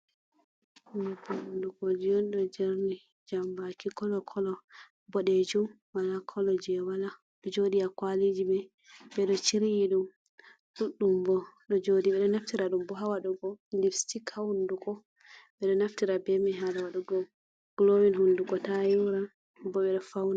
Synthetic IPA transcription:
hunbahundukod͡ʒijɔnɗɔd͡ʒɛɾni | d͡ʒambakikɔlɔkʰɔlɔ | bɔɗed͡ʒum | walakʰɔlɔd͡ʒɛwala | ɗɔd͡ʒoɗijakwalid͡ʒibɛ | ɓɛɗɔt͡ʃiɾijiɗum | ɗuɗːumbɔɗɔd͡ʒodiɓɛɗɔnaftiɾaɗumbɔɦawaɗuɡɔlifstikʰawundukɔ | ɓɛɗɔnaftiɾabɛmɛɦalawaɗuɡɔm | ɡ̥lowinɦunduɡɔtajuɾa | bɔɓɛɗɔfawna

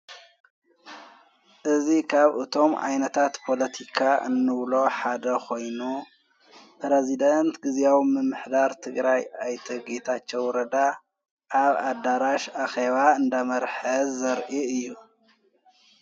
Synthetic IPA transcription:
ʔɨzikʰaβɨt̪ʰo̞mʔa̰jnɐt̪ʰat̪pʰo̞lɐt̪ʰikʰaʔɨ̰nːɨβlo̞ħad̪ɐkʰo̞jnu | pɾezid̪ɐnt̪ɡɨzawimɨmːɨħd̪aɾt̪ʰɨɡɾajajt̪ʰɐɡet̪ʰat͡ʃːɛwɾɐd̪a | ʔaβad̪aɾaʃaxeβaɨnd̪amɐɾħɐzɐɾʔiɨjːu

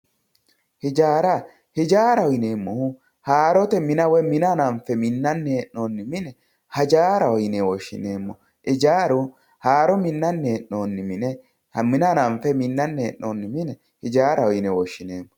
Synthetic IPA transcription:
hɪd͡ʒaːɾa | hɪd͡ʒaːɾɐɔjɪneːmːɔhʊ | haːɾɔt̪ɛmɪnɐwɛmɪnanɐɱfɛmɪnːɐnːɛːʔnːoːnːɪmɪnɛ | hɐd͡ʒaːɾɐwɔjɪnɛwɔʃːɪ̰neːmːɔ | ʔɪd͡ʒaːɾʊ | haːɾɔmɪnːɐnːɛːʔːoːnːɪmɪnɛ | hmɪnanɐɱfɛmɪnːɐnːɛɛʔnoːnːɪmɪnɛ | hɪd͡ʒaːɾɐɔjnɛwɔʃːɪneːmːɔ

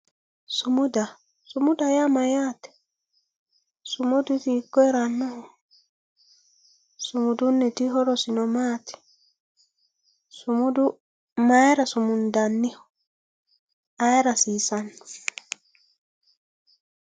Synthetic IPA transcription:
sumuda | sumudajamajatɛ̥ | sumudutikːɔɛɾanːahɔ | sumudunːɛtiɦɔɾɔsinɔmatɛ̥ | sumudu | majɛɾasumundanːihɔ | ajɾasisanː

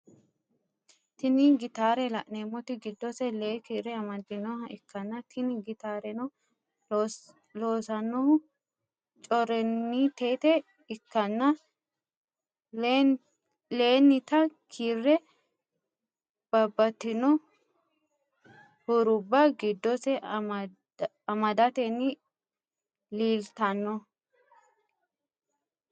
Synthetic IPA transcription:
t̪ɪniɡɪt̪aːɾɛlɐʔneːmːɔt̪ɪɡɪd̪ːɔsɛleːkiːɾɛɐmɐd̪ːɪnɔɦɐɪkːɐnːɐt̪ʰɪnɪɡɪt̪aːɾɛnɔ | loːsɐnːɔhʊ | t͡ʃʼɔɾɛnːiːt̪e̞ːt̪ɛ | ɪkːɐnːɐ | le̞ːnːɪt̪ɐkʰiːrːɛ | b̥ɐbːɐt̪ːɪnɔ | hʊɾʊbːɐɡɪd̪ːɔsɛ | ɐmɐd̪ɐt̪ɛnːɪ | liːlt̪ɐnːɔ

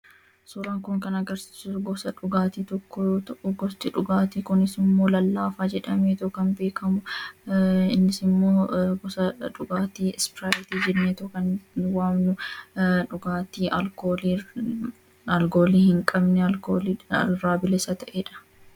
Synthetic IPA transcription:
sʊːɾaːŋkʊŋkɐnɐɡɐɾsi̥sʊɡɔsɐᶑʊɡaːt̪iːt̪ɔkːɔt̪ɐʔʊɡɔst̪ɪᶑʊɡaːt̪iːkʊnɪsɪmːo̞ːlɐlːaːfaːd͡ʒɛᶑɐmeːt̪ɔkɐnbe̞ːkɐmʊ | ɪnːɪsɪmːoːɡɔsɐᶑʊɡaːt̪iːspɪɾaːjɪt̪iːd͡ʒɪɾneːt̪ɔkɐnwaːmnʊᶑʊɡaːt̪iːʔɐlkoːli | ɐlɡoːliːhɪŋkʼɐbnɛɐkoːliɾaːbɪlɛsɐt̪ɐʔeːᶑɐ̥

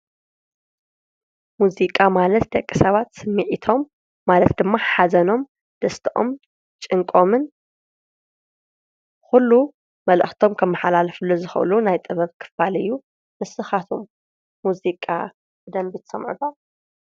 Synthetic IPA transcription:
muzikʼamalɐt̪̚d̪ɐkʼːisɐβat̪sɨmːɨʕit̪ʰo̞mː | alɐt̪̚d̪ɨmːaħazɐno̞m | d̪̥ɐst̪ʰɐʔo̞̰m | t͡ʃʼɨŋkʼo̞mɨn | xulːu | mɐlʔɨxt̪ʰo̞mkʰɐmːɐħalalɐfɨlːozɨxɐ̰ʔɨ̰lunajt̪ʼɨβɐβkʰɨ̥falɨjːu | mɨsɨxat̪ʰomː | uzikʼa̰ | bɨd̪ɐmbɨt̪ʰsɐmʕṵd̪a

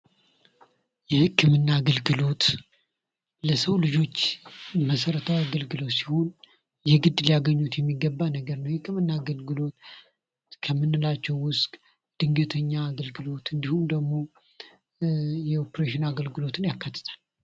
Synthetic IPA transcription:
jɛhɨkʰːɨmɨnːaːɡəlɡɨlo̞t̪ | ləsəwlɨd͡ʒo̞t͡ʃːməsəɾət̪ʰawiaɡəlɡɨlo̞t̪si̥ho̞n | jɛɡɨd̪lijaɡəɲːut̪jɛmːiɡːəbːanəɡəɾnəwjɛhɨkːɨmɨnːaːɡəlɡɨlo̞t̪ | kʰəmːɨnːɨlat͡ʃːɛwːʊskʼ | d̪̥ɨŋɡət̪ʰəɲːaːɡəlɡɨlo̞t̪ɨnd̪ihumd̪əɡmo̞ | jɛopɾeʃɪnaɡəlɡɨlo̞t̪ɨnjakːat̪ʰːɨ̥t̪ʰʼḁl

